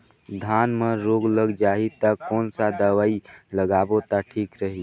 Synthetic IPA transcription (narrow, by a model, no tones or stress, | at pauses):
d̪ʱaːnmeɾoːɡləɡd͡ʒaːɦit̪akɔːnsad̪əʋaːiləɡaːbot̪aʈʰiːkɾəɦi